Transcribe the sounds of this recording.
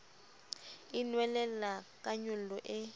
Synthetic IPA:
inwɛlɛlakʼaɲulɔʔɪ

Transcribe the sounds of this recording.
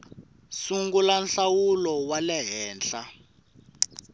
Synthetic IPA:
suŋɡulanɬawulɔwalɛɦɛːnɬa

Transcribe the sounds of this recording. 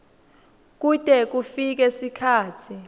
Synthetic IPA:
k̬utʼɛk̬ufik̬ɛsikʰaːtʰi

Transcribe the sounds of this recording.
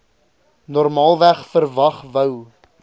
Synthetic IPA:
nɔrmɑːlˠvæχfərvɐχvəw

